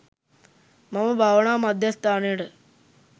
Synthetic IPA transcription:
mɐmɐbʱaʋɐɳaːmɐd̪ʱjɐst̪aːɳiːɽɨ

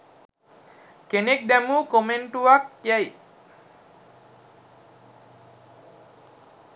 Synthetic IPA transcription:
kenek̚d̪æmuːkomeɳʈuʋɐkjaj

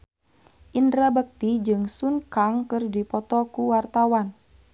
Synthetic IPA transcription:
ʔindɾabək̚t̪id͡ʒɨŋsunkaŋkɨrdipɔt̪ɔkuwart̪awan

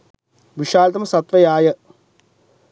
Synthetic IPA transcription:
ʋiʂaːlɐt̪ɐmɐsɐt̪ʋɐjaːjɐ

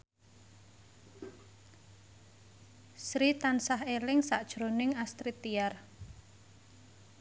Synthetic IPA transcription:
sɾit̪ansaɦelɪŋsaʔd̥ʒ̥ɾonɪŋast̪ɾit̪iar

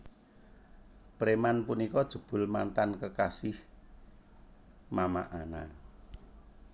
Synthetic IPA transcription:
pəɾemanpunikɔd̥ʒ̥ṳb̥ʊ̤lmant̪ankəkasɪh | mamaʔana̰

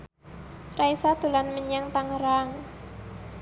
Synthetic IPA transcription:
raisad̪̥ṳlanməɲaŋt̪aŋɾaŋ

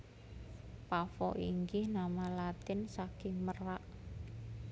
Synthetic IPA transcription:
pafɔ̰ʔiŋɡɪhnamalat̪ɪnsakɪŋməraʔ

